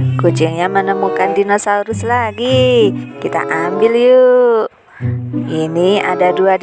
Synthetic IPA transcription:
kut͡ʃɪŋɲamənəmukandinosauɾʊslaɡikit̪a̰ʔambɪlju | inia̰daduad

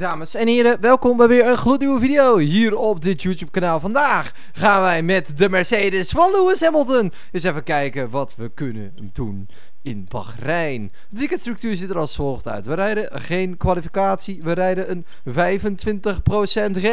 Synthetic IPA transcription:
daːməsɛnɦɪːɾəʋɛlˠkɔmbɛjʋɪəɹənχlutnywəvidiowɦiːrɔpdɪtjutjuːp̚kanaːlˠvɑndaːxː | aːnʋɛjmɛtdəmɛɹseːdəsfɑnluəsɛməlˠtən | ɪs̬ɛfəkɛjkəʋɔtʋəkønə̰ | dun | ɪnbɑ̰xrɛjn | ətʋikɛtstrʏk̚tyːɹzɪtəɾɑlˠsfɔlˠxtœ̰ɥtʋəɾɛjdə | χejnkʋalifikaːtsiʋəɾɛjdəən | vɛjvəntʋɪntəxprosɛntχe

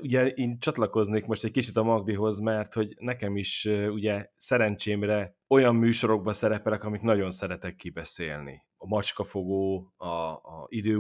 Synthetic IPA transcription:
uɟɛiːnt͡ʃɒt̪lɒko̞zneːkmo̞ʃt̪ɛckit͡ʃit̪ɒmɒɡd̪iɦo̞zmɛrt̪ho̞ɟnɛkɛmiʃøuɟɛsɛɾɛnt͡ʃeːmrɛ | o̞jɒmːyːʃo̞ɾo̞ɡ̚bɒsɛɾɛpɛlɛkɒmiknɒɟo̞nsɛɾɛt̪ɛkːibɛseːlnḭ | ɒmɒt͡ʃkɒfo̞ɡoːɒid̪øː

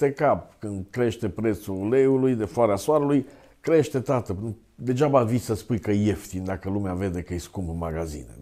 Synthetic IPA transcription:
t̪ekap̚kɨnd̪kɾe̞ʃt̪e̞pɾe̞t̪suleulujd̪efoaɾeasoaɾəluj | kɾe̞ʃt̪e̞t̪at̪ə | d̪e̞ʒabavisəspujkəje̞ft̪ind̪akəlumeave̞d̪e̞kəɨjskumpɨmaɡazḭnḛ

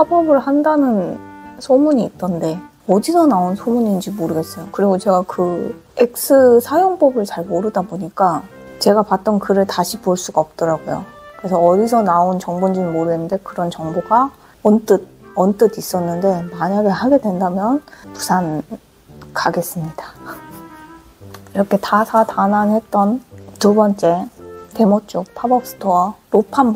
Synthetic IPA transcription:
hapʌbɯɭhandanɯnsʰomuɲiːt͈ʌnde̞ | ʌdisʰʌnaonsʰomuɲind͡ʑimoɾɯɡe̞s͈ʌjokɯɾiɡot͡ɕe̞ɡakɯ | ek̚s͈ʰɯsʰajoŋpʌbɯɭt͡ɕaɭmoɾɯdaboɲik͈a | t͡ɕe̞ɡapat̚t͈ʌnkɯɾɯɭtaɕʰipoɭs͈uɡaʌp̚t͈ʌɾaɡojo̰kɯɾe̞sʰʌʌdisʰʌnaont͡ɕʌŋbund͡ʑiimoɾɯɡenːɯnde̞kɯɾʌnt͡ɕʌŋboɡa | ʌnt͈ɯd̚ʌnt͈ɯdis͈ʌnːɯnde̞maɲaɡɯɭhaɡe̞dwe̞ndamjʌnpu̥sʰan | kaɡe̞s͈ɯmɲida | iɾʌkʰe̞tasʰatananɦe̞t̚t͈ʌntubʌnt͡ɕ͈e̞te̞mʌt͡ɕ͈uk̚pʰabʌk̚s͈ɯ̥tʰowaɾopʰan

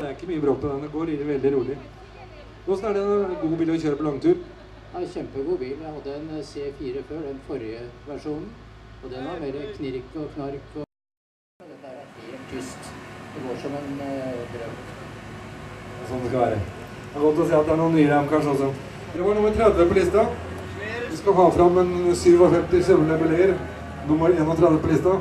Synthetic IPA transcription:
d̪æɾɪkːəmyːəbɾoːpːɔd̪ɛnd̪ɛɡoːɾɪd̪ʋɛld̪ɪɾuːlɪ | nɔsn̩æɖɛnɡuːbiːləɔçøːɾəpɔlɑŋːt̪ʰʉːɾ | æçɛmpəɡuːbiːlːjæɪhɑd̪ːəɛnseːfiːɾəføːɖɛnfɔɾjəʋæʂuːnn̩ɔd̪ɛnʋɑɾmeːɾəkʰnɪɾkːɔkʰnɑɾkɔ | d̪ɛt̪ːæɾet̪ʰʏst̪d̪̥ɛɡoːʂɔmɛnd̪ɾœm | ɔsɔnd̪ɛskɑlʋæ̰ːɾə̰ | æɾɡɔt̪ːlɔs̬iːɑt̪̚d̪ɛæɳuːənːyːəɾæmkɑnʂəɔs̬ɔ | d̪ɛʋɑɳʊmːəɾt̪ʰɾɛd̪ʋəpɔlɪst̪ɑ | ʋɪskɑɦɑːfɾɑmːɛnsyːʋɔfɛmt̪ɪsuləɳəbəlɛɡəɾ | nʊmːəɾeːnɔt̪ʰɾɛd̪ʋəpʰɔlɪst̪ɑ

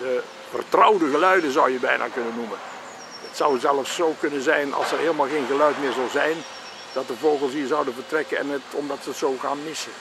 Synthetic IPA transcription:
də | və̰rtrɔwdəɣəlœɥdəzʌwjəbɛ̰jnʔa̰ːkɵnənːumən | ətsʌwzɛlˠəfsːowkɵnənzɛjnɑ̰lˠsɛrɦeːlˠmaːlˠɣeːnɣəlœɥtmɪːɹzɑlˠzɛjn | d̥ɑt̚dəvoːɣəlˠsɦiːɹzɑwdənvərtrɛkəɛ̰nətɔmdɑtsətsowɣaːnmɪsə

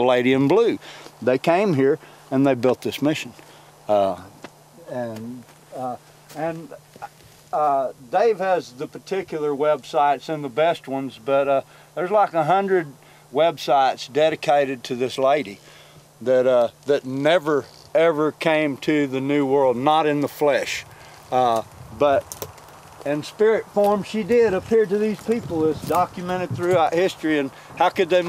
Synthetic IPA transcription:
əleɪɾiɨ̃nblʉðeɪkʰẽɪ̃mɦiɹ | ɨ̃nðeɪbɪlˠt̪̚ðɪsmɪʃɨ̃n̩ | ɨ̃n | ɨ̃n | ʌdeɪv̥ɨzðɨpʰə˞tʰɪkjl̩ˠə˞wɛbsaɪtsɨ̃nðəbɛst̚wʌ̃nzbʌɾ | ðə˞zlaɪkəɦʌ̃ndɹɨd̚ | wɛbsaɪtsd̥ɛɾɨkʰeɪɾɨd̚tʰɨðɪsleɪɾi | ðɨtðɨtⁿnɛvə˞ | ɛvə˞kʰẽɪ̃mtʰɨðɨnʉwɜ˞lˠdⁿnəɾɨ̃nðəflɛʃ | bʌɾ | ɨ̃nspɪɹɨtfɔɹm̥ʃidɪɾɨpʰɪɹd̚tɨðiz̥pʰipl̩ˠɨzdɑkjɨmɛ̃ɾ̃ɨd̪̚θɹʉaʊt̚hɪstɹ̥iɨ̃n | haʊkɨd̪̚ðeɪ

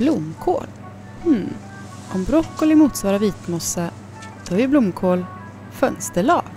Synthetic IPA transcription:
blʊmːkʰo̰ːl | hm̩ | ʔɔmbɾɔkːɔlɪmuːt̪svɑːɾaviːt̪mɔsːa | d̪̥ɔhæɾjəblʊmːkʰoːl | fœnst̪əɭɑ̰ːɡ

